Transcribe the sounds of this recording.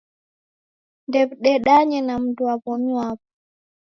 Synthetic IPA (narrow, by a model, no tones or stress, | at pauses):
ndɛbɗɛɗaɲɛnamduabɔɲwaːbɔ